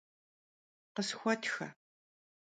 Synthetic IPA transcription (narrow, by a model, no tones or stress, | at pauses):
qəsxʷɔtʰxɐ̰